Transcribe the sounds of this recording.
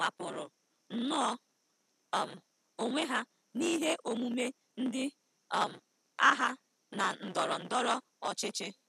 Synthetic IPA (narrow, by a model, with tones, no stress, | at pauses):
ŋa˨pʊ˨ɾʊ˨ | n̩˨nɔ˦˨ | m̩˨ | o˨ŋʷe˦ɦa˦ | ni˦ɦe˦ʔo˨mu˦me˦ | n̩˦dɪ˦˨ | m̩˨ | a̰˦ɦa˦ | na˨n̩˨dɔ˨ɾɔ˨n̩˨dɔ˦ɾɔ˦ | ɔ˨t͡ʃɪ˦t͡ʃɪ˦